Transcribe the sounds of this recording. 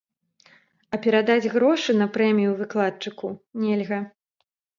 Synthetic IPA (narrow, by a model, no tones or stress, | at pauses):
ɐpʲɛɾad̪ad͡zʲɣɾɔʂɨn̪ɐpɾɛmʲijuvɨklˠat̪̚t͡ʂɨkunʲɛlʲɣɐ